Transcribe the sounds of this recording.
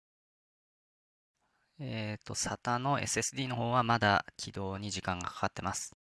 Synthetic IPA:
et̪ːo̞̰sat̪ano̞e̞̰sɨe̞sɨd̪ʲiːno̞ɦo̞ːβamad̪akʲʰid̪o̞ːɲ̟iʑikãŋɡakʰḁkat̪ːe̞masɨ̥

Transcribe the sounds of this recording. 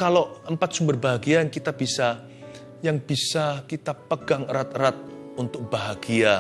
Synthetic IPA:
kaloəmpat̪̚sumbərbaɦaɡiankit̪ab̥isa | jaŋb̥isakit̪apəɡaŋɾat̪̚ɾat̪̚unt̪ʊk̚b̥aɦaɡia

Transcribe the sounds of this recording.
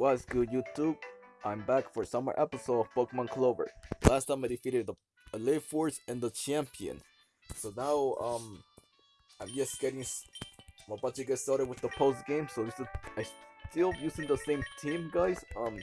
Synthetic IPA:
wasɡ̥ʊjʉtʰub̚ʔãɪ̃mbækfə˞sʌ̃mwə̰˞ʔɛpəsoʊɾʌvb̥oʊkmə̃nkʰloʊvə̰˞læstʰãɪ̃maɪdɨfiɾɨd̪̚ðə | le̥fɔɹsɨ̃nðət͡ʃʰæ̃mpiɨ̰̃n | soʊnaʊʌ̃m | ãɪ̃md͡ʒɛsɡ̥ɛɾɪ̃ŋs | maɪbʌt͡ʃɨɡaɪstɑɹɾɨd̚wɨðəpʰoʊst̚ɡ̥ẽɪ̃msoʊjsaɪstʰɪlˠjʉzɪ̃ŋðəsẽɪ̃mtʰĩmɡaɪz̥ʌ̃m

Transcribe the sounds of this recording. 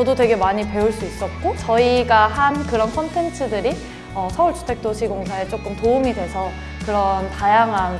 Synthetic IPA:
t͡ɕʌdotwe̞ɡe̞maɲipe̞uɭs͈uis͈ʌt̚k͈ot͡ɕʌiɡahankɯɾʌnkʰʌntʰe̞ntʰɯdɯɾi | ʌsʰʌuɭt͡ɕʰu̥tʰe̞k̚t͈oɕʰiɡoŋsʰae̞t͡ɕ͈ok͈ɯmtoumidwe̞sʰʌ | kɯɾʌntajaŋɦan

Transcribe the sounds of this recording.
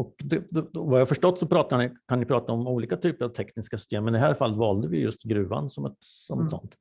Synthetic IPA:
ɔkd̪ɛɛvajafœʂʈɔt̪ːsɔpʰɾɑːt̪anɪkʰanːɪpʰɾɑːt̪aɔmuːliːkat̪ʰyːpəɾavt̪ʰɛknɪskasʏ̥st̪ʰeːmːɛnɪd̪ɦæːɾfalːt̪vɑːld̪əvɪjjɵst̪ɡɾʉ̟ːva̰nsɔmɛt̪ | sɔmɛt̪sɔ̰nt̪

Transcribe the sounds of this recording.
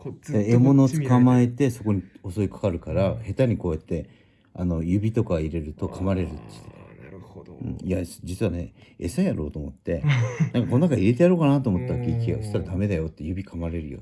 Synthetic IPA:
d̪aemo̞no̞t͡sɨ̥kamae̞t̪e̞so̞ko̞ɲ̟io̞so̞ikḁkaɾɯ̟kaɾahe̞t̪aɲ̟iko̞ːjat̪ːe̞ | ano̞jɯ̟bʲit̪o̞kaiɾe̞ɾɯ̟t̪o̞kʰamaɾe̞ɾɯ̟t̪ːe̥t̪ek̪a | ɯ̰̃ːiad͡ʑit͡sɨβane̞esajaɾo̞̰ːt̪oːmo̰t̪ːe̞ãŋkakononakaiɾe̞t̪ejaɾo̞ːkanat̪oːmo̞t̪ːaakeikʲiɡa̰si̥t̪aɾad̪ame̞d̪ajo̞t̪ːe̞jɯ̟bʲikʰamaɾe̞ɾɯ̟jo̰

